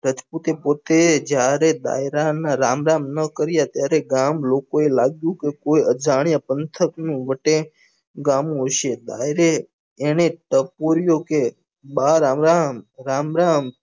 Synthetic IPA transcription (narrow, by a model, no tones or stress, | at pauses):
ɾət̪ʰput̪epot̪ed͡ʒjaɾed̪a̰jɾanaɾamɾamnəkəɾjat̪jaɾeɡamlokoelaɡjũkekojəd͡ʒaɽ̃japənt̪ʰəknũʋəʈẽ | ɡamũɦoʃed̪a̰jɾeː | ɽ̃eʈəpoɾjoke | baɾamɾamɾamɾam